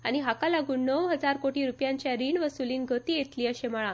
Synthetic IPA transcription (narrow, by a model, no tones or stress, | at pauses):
aɽ̃iɦakalaɡuːnːəʋɦəd͡zaɾkoʈiːɾupjãɲt͡ɕjaɾiːɳʋəsuliːnɡʱət̪iːjet̪liːəɕemaɭã